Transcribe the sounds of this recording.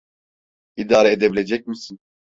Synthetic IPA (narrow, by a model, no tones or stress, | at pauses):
id̪aːɾɛed̪ebilʲed͡ʒɛc̚misin